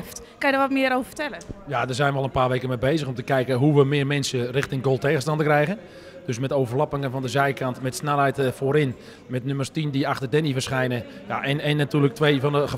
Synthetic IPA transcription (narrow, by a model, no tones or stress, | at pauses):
ft | kɑnjədəʋɔtmɪəɾoːvəfə̥tɛlənjadərzɛjnʋəɔlˠənpaːrʋejkənmebejzəχɔmtəkɛjkəɦuʋəmɪːrmɛnsərɪxtɪŋɡolˠtejɣənstɑntəkrɛjɣən | d̥øsmɛtoːvərlɔpɪŋəvɔndəzɛjkantmɛtsnɛlˠɦɛjtfoːɾɪn | mɛtnømərstindiaxtərdɛnifərsχɛjnəjaʔɛnɛnːatyːrlək̚tʋejfɔndəə